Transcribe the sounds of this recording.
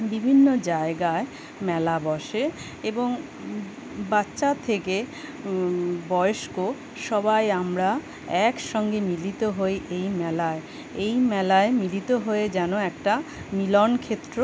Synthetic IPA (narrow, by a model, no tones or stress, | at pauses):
bibʱinːod͡ʑaeɡae | mɛlabɔʃe | eboŋ | batːɕat̪ʰeke | bɔjoʃko | ʃɔbajamɾa | ɛkʃɔŋɡemilit̪oɦoeʔejmɛlae | ejmɛlaemilit̪oɦoed͡ʑɛnoɛkʈamilɔnkʰet̪ːɾo